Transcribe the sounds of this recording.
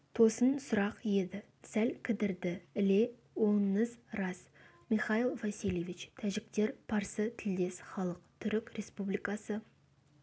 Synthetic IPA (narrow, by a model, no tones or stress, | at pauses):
t̪ʰo̞sənsʊɾɑqje̞d̪ɪ | sælkʲʰɪd̪ɪɾd̪ɪɪle̞ | woɴəzɾɑs | miχɑilˠvɑsilʲˠe̞vit͡ʃt̪ʰæʒɪk̚t̪e̞ɾpʰɑɾsət̪ʰɪld̪e̞sχɑlˠəqt̪ʰʏɾɪkʲɾe̞spublijkɑsə